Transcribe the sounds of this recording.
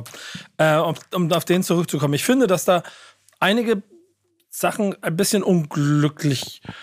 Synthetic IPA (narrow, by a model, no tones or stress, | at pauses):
ʔɛːʊʔʊmaʊfd̥eːnt͡suʁʏk̚t͡sukʰɔmənɪçfɪndədasd̥aː | ʔaɪnɪɡə | z̥aχn̩aɪnbɪsçənʔʊnɡlʏklɪç